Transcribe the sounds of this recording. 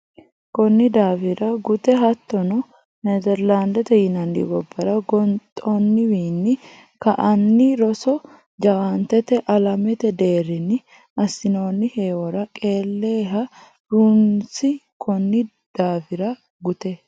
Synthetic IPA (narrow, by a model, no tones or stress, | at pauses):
kɔnːɪd̪aːfɪɾɐɡʊt̪ɛɦɐt̪ːɔnɔ | ned̪ɛɾland̪ɛt̪ɛjɪnɐndḭbɔbːɐɾɐɡɔnt̪ʼɔnːɪwiːnːɪ | kɐʔɐnːɪɾɔsɔ | d͡ʒɐwant̪ɛt̪ɛʔɐlɐmɛt̪ɛd̪e̞ːɾɪnːɪ | ɐsːɪno̞ːnːɪheːwɔɾɐkʼe̞ːlːeːɦɐ | ɾunsɪkʰɔnːɪ | d̪̥aːfɪɾɐ | ɡʊt̪ɛ